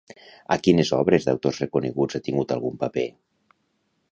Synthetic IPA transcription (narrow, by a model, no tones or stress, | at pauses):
a̰kinezɔβ̞ɾezða̰wt̪ozrekuneɣud͡zat̪iŋɡut̪alˠɣumpape